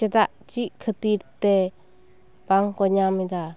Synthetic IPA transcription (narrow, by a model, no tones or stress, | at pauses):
ed̪aʔt͡ʃikʰət̪iɾt̪e | paŋkoɲãmĩd̪a